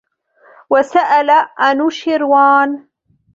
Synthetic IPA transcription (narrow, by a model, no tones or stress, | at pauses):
wasaʔalaʔanuʃɪɾwaːn